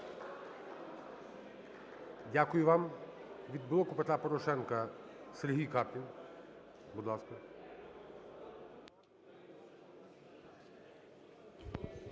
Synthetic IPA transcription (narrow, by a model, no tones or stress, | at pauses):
dʲakʊjʊʋɑmʋʲid̪̚bɪlˠɔkʊpet̪ɾapɔɾɔʃɛnkɐseɾɦijkɑpʲin | bud̪lˠɑskɐ